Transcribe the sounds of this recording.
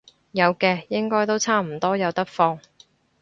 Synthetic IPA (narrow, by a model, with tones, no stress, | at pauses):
jɐ˨˧wkɛː˧jɪ˥ŋkɔː˥jt̪o˥wt͡sʰaː˥m̩˨˩t̪ɔː˥jɐ˨˧wt̪ɐ˥k̚fɔː˧ŋ